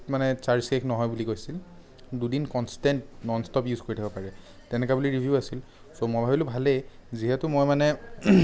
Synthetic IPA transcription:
tmanɛt͡ʃaɹsekʰnɔɦɔjbulikojsil | dudinkɔnstɛntnɔnstɔpjuzkoɹitʰakbɔpaɹɛ | tɛnɛkabuliɹibʱjuʊasil | somojbʱabilʊbʱalejziɦɛtʊmojmanɛ

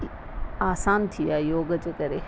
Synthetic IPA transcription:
aːsaːnt̪ʰijaːjoːɡət͡ɕekɐɾeː

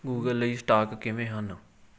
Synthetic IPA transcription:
ɡuːɡəliːsʈaːkkɪʋẽːɦən

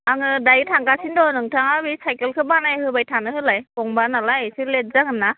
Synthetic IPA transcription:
aŋɯdajtʰaŋkasindɔnɯŋtʰaŋabisajkelkʰɯbanajhɯbajtʰanɯhɯlajkɔŋbanalajsilet̚zakɯnːa

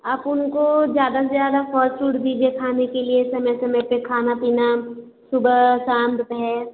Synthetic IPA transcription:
aːpʊnkod͡ʒjaːd̪azjaːd̪afʰɔːt͡ʃuːʈd̪iːd͡ʒiekʰaːnekeliesɐməsɐməpekʰaːnapiːna | sʊbsãːnd̪pɦɛɾ

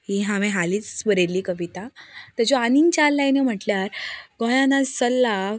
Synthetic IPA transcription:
ɦiɦãmẽɦaliːt͡sʋəɾeliːkəʋit̪at̪əd͡ʑɔaniŋɡt͡ɕalːajnem̤əʈljaɾɡɔ̃jãnasəlːa

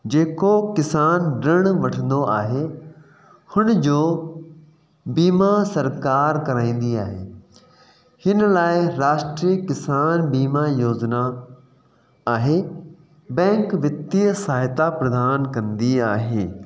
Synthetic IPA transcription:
d͡ʑeːkokɪsaːnɖɪɽ̃ʋɐʈʰə̃nd̪oʔaːɦe | hʊñd͡ʑoː | biːmasɐɾkaːɾkɐɾaːĩːnd̪iaːɦeː | hɪnlaːɪɾaːʃʈɾiːkɪsaːnbiːmajoːzna | ɦe | bɛ̃ːŋkʋɪt̪ːijsaːɦɪt̪apɾɐd̪aːnkɐ̃nd̪iaːɦeː

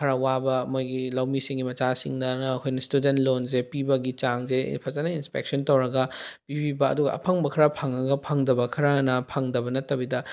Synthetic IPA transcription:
kʰɐɾɐwabɐmojɡilɐwmisiŋɡimɐt͡ʃasḭŋdɐːkʰojnɐstudentlonz̬epibɐɡit͡ʃaŋzḛpʰɐzanɐinspek̚sontɐwɾɐɡɐpibibɐɐ̰duɡɐ̰ʔɐ̰pʰɐŋbɐkʰɐɾɐpʰaŋɾɐɡɐpʰaŋdɐbɐkʰɐɾɐnɐpʰaŋdɐbɐnɐtɐbidɐ

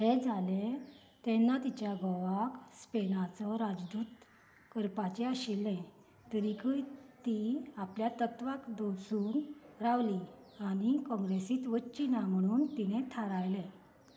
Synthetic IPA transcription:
hed͡zʱale | t̪ɛnːat̪it͡ɕjaɡɔʋakspenat͡sɔɾad͡zd̪uːt̪ | kəɾpat͡ɕeaɕilːɛ̃ | t̪əɾikəjt̪iapljat̪ət̪ʋakd̪osuːnɾaʋli | aɽ̃ikɔ̃ŋɡɾesiːt̪ʋətːt͡ɕinam̤əɽ̃uːnt̪inet̪ʰaɾajlɛ̃

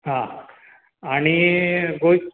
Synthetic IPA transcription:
ɦã | aɽ̃iɡoj

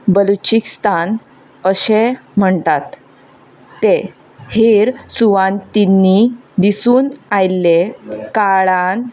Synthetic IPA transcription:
bəlut͡ɕikst̪an | əɕem̤əɳt̪at̪ː | e | heɾsuʋãnt̪inːid̪isuːnajlːekaɭan

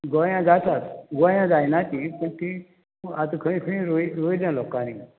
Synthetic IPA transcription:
ɡɔjãd͡zat̪ʰat̪ɡɔjãd͡zajnat̪ipəɳt̪i | uat̪əkʰə̃ĩkʰə̃ĩɾoiɾojd̪jãlɔkanĩ

